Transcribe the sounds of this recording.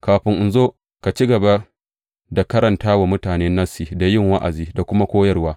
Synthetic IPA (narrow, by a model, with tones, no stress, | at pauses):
kaː˨ɸɪ˦ŋʔɪ˨nzoː˦ | ka˨t͡ʃi˦ɡɐ˨ba˦ | da˨kɐ˦ɾɐ˨ntaː˦wa˨mʊ˦taː˨neː˦nːɐ˦siː˨da˨jɪ˦˨ŋwa˦ʔa̰˨ziː˦da˨kʷʊ˦ma˦kʷoː˦jɐ˦rwaː˦